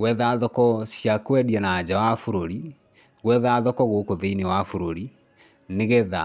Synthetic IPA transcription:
ɣwɛðaðɔkɔsjakwɛdianad͡ʑawafoɾoɾi | ɣwɛðaðɔkɔɣokoðeinewafoɾoɾi | neɣɛða

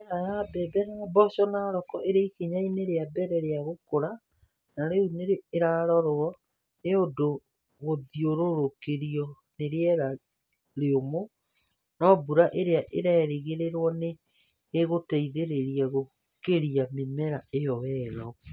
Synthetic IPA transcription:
ajabɛðɛɾabɔʃɔnaɾɔkɔʔeɾeikeɲaineɾeabɛɾɛɾeaɣokoɾa | naɾeuneɾeːɾaɾɔɾoɔ | neodo | ɣoðioɾoɾokeɾiɔ | neɾeɛɾa | ɾeomo | nɔbuɾaʔeɾeaʔeɾaɛɾeɣeɾeɾwɔneː | ɣotɛiðeɾeɾiaɣo | keɾiamemɛɾaejɔwɛɾɔ

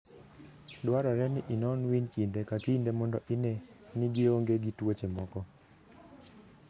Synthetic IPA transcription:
dwaɾɔɾɛnɪʔinɔnwinkindekakindemɔndɔʔinenɪɡɪɾoŋɡeɡitwot͡ʃemɔkɔ

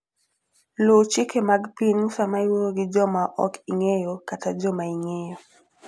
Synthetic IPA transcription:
lut͡ʃikɛmaɡpinusamaiwoɡid͡ʒɔmaʔɔkiŋejɔkatʰad͡ʒɔmaiŋejɔ

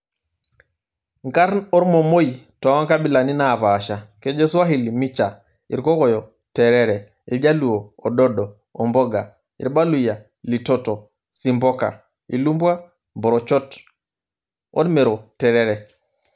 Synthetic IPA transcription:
ŋkaɾnɔɾmɔmojtɔwaŋkabilaninapaːʃakɛd͡ʒɛswaɦilimit͡ʃa | iɾkɔkɔjɔ | tɛɾɛɾɛ | id͡ʒaluwɔːdɔdɔː | mbɔɡa̰ | ḭɾbaluja | litɔtɔ | simbɔka̰ | ḭlumbwa | mbɔɾɔt͡ʃɔt | ɔ̰dmɛɾɔtɛɾɛɾɛ

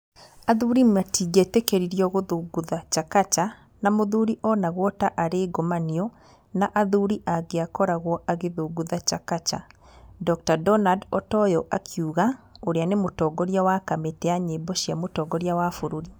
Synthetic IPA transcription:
aðuɾimatiɡetekeɾiɾijɔɣoðuɡuðat͡ʃakat͡ʃa | namoðuɾiʔɔnaɣwɔtaʔaɾeɡomaniɔ | naʔaðuɾiʔaɡeakɔɾaɣwɔʔaɣeðoɡuðat͡ʃakat͡ʃa̰ | dɔk̚tadɔnadɔtɔjɔʔakʰjuɣaoɾeanemotɔːɡɔɾjawakametɛaɲebɔʃjiamotɔːɡɔɾjawafoɾuɾi

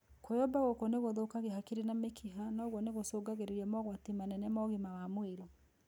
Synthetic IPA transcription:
kojɔbaɣokoneɣoðokaɣeɦakeɾenamekʰiɦanaːɣwɔneɣosoɡaɣeɾeɾiamɔɣwatimanɛnɛmɔɣimawamweɾo

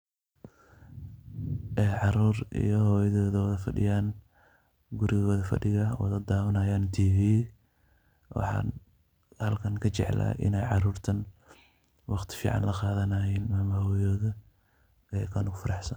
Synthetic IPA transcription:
ʔɛːʕɑɾuːrḭjɔhɔːjɐðɔːðwɐðɐfɐɖɪ̰jaːn | ɡʊɾɪɣɐɔːðɐfɐ̰ɖɪɣɐwɐ̰ðɐd̪aːwɐnɐːjaːnt̪ʰiːfiː | wɑ̰ħɑ̰ːn | hɐlkʰɐŋkʰɐt͡ʃɛ̰ʕla̰ːʔɪ̰nɛjʕɑɾuːrt̪ʰɐn | wɑqt̪ʰɪ̥fḭːʕɑ̰nlɐqɑːðɐnɐjɛːnmaːmɐhɔjɔːðɐ | ɐjkʰɐːnʊɣʊfɐɾɑħsɐn

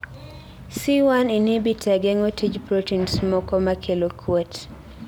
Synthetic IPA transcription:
siwaninibitʰɛɡɛŋotʰid͡ʒpɾotinsmɔkɔmakʰelokʰwot

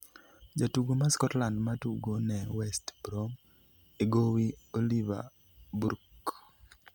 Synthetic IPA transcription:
d͡ʒatuɡomaskɔtlandmatuɡonɛwɛstbɾom | eɡowioliva̰ | buɾk

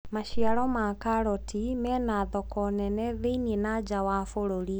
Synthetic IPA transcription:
maʃiaɾɔmakaɾɔtimɛnaðɔkɔnɛnɛðeiniɛnad͡ʒawaːfoɾoɾi

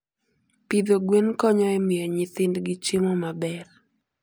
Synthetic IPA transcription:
pid̪oɡwenkɔɲɔɛmɪjɔɲɪt̪ɪndɡɪt͡ʃemɔmabɛr

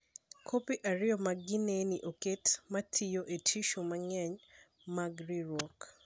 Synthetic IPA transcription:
kʰopiʔaɾɪjɔmaɡɪneniʔoketmatʰijoʔetʰiʃumaɲɛɲ | maɡɾiɾwɔk

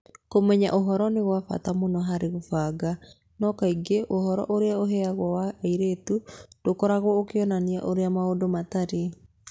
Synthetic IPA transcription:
komɛɲa̰ʔoɦɔɾɔneɣwafa̰tamonɔɦaɾeɣofaːɡa | nɔkaiɡeʔohɔɾɔ̰ʔoɾeaoɦɛaɣwɔwaiɾeːtud̥okɔɾaɣwɔokeɔnania̰ʔoɾeamaodomataɾe

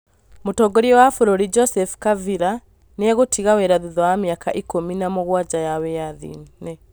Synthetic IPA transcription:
motɔːɡɔɾiɔwafoɾoɾid͡ʒɔsɛfu̥kaviɾa | neaɣotʰiɣawɛɾaðuðɔwamiakaʔikominamoɣwad͡ʒajawɛaðḭnnɛ

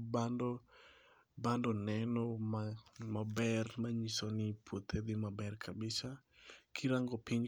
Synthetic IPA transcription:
bandɔ | bandɔnɛnɔmamabɛrmaɲisonɪpʰwot̪ʰed̪ɪmabɛrkʰabɪsakʰiɾaŋɡɔpɪɲ

